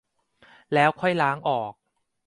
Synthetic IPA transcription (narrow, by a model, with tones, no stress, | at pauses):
lɛː˦˥wkʰɔ˥˩jlaː˦˥ŋʔɔː˨˩k̚